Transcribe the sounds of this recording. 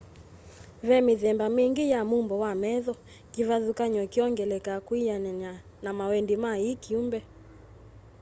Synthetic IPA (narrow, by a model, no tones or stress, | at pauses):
vɛmiðɛmbamiŋɡijamumbɔwamɛðɔ | kivaðukaɲɔkiɔŋɡɛlɛkakwijana | namawɛndimaikiumbɛ